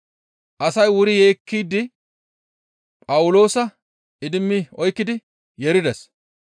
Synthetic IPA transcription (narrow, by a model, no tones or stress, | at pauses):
ʔɐsɐjwʊɾɪje̞ːkːiːd̪ːɪ | pʼɐwʊlo̞ːsɐ | ɪd̪ɪmːɪɔjkːɪd̪ɪ | jɛɾɪd̪ɛs